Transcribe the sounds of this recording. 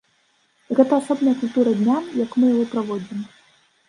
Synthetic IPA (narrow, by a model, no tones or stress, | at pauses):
ɣɛt̪ɐːsɔbnɐjɐkulʲt̪uɾɐd̪ʲnʲamjɐkmɨjaɣɔpɾavɔd͡zʲim